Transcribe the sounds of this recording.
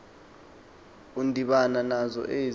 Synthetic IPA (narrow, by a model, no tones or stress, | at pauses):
undʱiɓananazɔ̰ʔe